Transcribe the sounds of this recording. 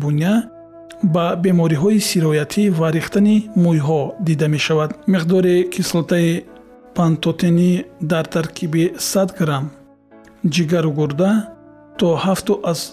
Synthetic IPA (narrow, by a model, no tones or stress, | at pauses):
bunia | babe̞mɔɾiɦɔisiɾɔjat̪ʰivaɾiχt̪animujɦɔd̪id̪ame̞ʃavad̪miqd̪ɔɾikʰislɔt̪ʰai | pʰant̪ɔt̪ʰenid̪aɾt̪ʰaɾkʰibisad̪ɡɾam | d͡ʒiɡaɾuɡuɾd̪a | t̪ʰɔhaft̪uʔaz̥